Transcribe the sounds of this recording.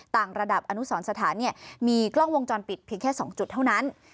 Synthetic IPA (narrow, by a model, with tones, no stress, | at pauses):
t̪aː˨˩ŋɾa˧da˨˩p̚ʔa˧nu˦˥sɔː˩˦nsa˧t̪ʰaː˩˦nːi˥˩ɐmiː˧klɔ˥˩ŋwo˧ŋt͡ɕɔː˧npi˨˩t̪̚pʰi˧əŋkʰɛː˥˩sɔː˩˦ŋt͡ɕu˨˩t̪ʰːa˥˩wna˦˥n